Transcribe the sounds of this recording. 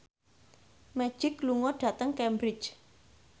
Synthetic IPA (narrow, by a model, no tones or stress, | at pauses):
mɛ̥ʒ̥ɪkluŋɔɖ̥ä̤t̪əŋkɛmbɾɪ̥t͡ʃ